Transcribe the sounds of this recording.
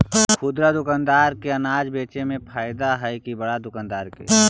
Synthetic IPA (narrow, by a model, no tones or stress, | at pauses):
xʰʊd̪ɾad̪ʊkaːnd̪aːɾkeɐnaːd͡ʒbeːt͡ʃemẽpʰaːɪd̪aɦɛjkibəɽad̪ʊkaːnd̪aːɾkḛː